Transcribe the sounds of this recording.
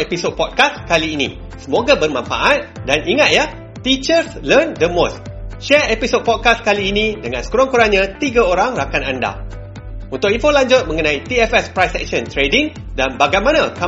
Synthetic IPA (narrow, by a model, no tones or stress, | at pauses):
episod̚pɔd̚kaskaliːnḭ̃ | səmoɡabərmãɱfa̰ʔat̪̚danʔiŋat̪ja | t̪it͡ʃərslərndəmosʃɛepisod̚pɔd̚kaskaliːnĩdəŋã̰nskuɾɔŋkuɾaɲãt̪iɡaoɾaŋrakananda̰ | unt̪ʊk̚infolaɲd͡ʒʊt̪̚mə̃ŋənãit̪iɛfɛspɾajsɛk̚ʃənt̪ɾediŋ | danbaɡajmãnaka